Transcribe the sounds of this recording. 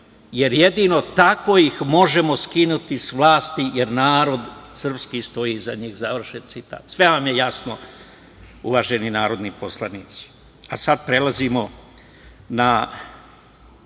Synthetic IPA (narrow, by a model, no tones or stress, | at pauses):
je̞ɾje̞d̪iːno̞t̪ako̞jixmo̞ʒe̞mo̞skinut̪isʋlˠaːst̪ije̞ɾnaːɾo̞d̪sr̩pskist̪o̞iːzaɲiːxzaʋr̩ʃet̪sit̪a̰ːt̪sʋe̞ʋamje̞jasno | uʋaʒe̞ninaːɾo̞d̪niposlˠaniːt̪si̥ | asad̪pɾe̞lazimo̞ | na